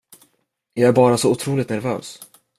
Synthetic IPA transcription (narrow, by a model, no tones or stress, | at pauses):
jɑæɾbɑːɾasɔʊt̪ʰɾuːlɪt̪næɾvœ̰ːs